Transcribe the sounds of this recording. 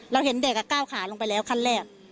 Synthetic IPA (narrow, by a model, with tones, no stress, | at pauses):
ɾa˧whe˩˦nde˨˩k̚ːa˧˩kaː˥˩wkʰaː˩˦lo˧ŋp̬a˧jlɛː˦˥wkʰa˥˩nlɛː˥˩k̚